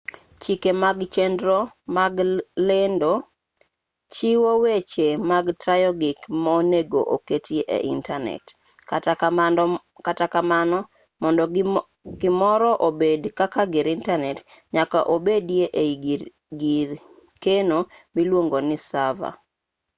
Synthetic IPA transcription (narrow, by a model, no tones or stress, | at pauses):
t͡ʃikemaɡt͡ʃɛndɾɔmaɡlendo | t͡ʃiwowet͡ʃemaɡtɾajɔɡɪkmɔneɡo̰ʔoketʰjeʔḛʔḭntanɛ̰t | katakamanɔ | mɔndɔ | ɡɪmɔɾɔʔobedkakaɡɪɾintanɛtɲaka̰ʔobedjeʔeiɡi | ɡiɾ | kenomilwoŋɡonɪsava̰